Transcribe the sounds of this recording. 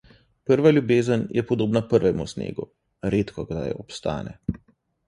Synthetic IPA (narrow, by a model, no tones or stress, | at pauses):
pəɾʋalʲjubeːzənjʔɛpɔd̪oːbnapəɾʋɛmṵsnḛːɡṵ | ɾeːt̪kʰɔɡd̪a̰jɔpst̪a̰ːnɛ̰